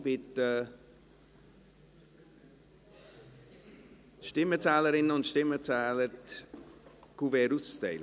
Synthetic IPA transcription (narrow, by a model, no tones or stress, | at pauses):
bɪtə | ʃtɪmət͡sɛːləɾɪnəʊntʃtɪmət͡sɛːləɾt | kuvɛːɾust͡sɛ̰lə